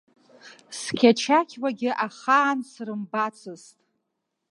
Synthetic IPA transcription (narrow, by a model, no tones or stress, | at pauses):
skʲʰat͡ʃʰakʲʰwaɡʲɪʔaχaːnsrɨmbat͡sʰɨztʼ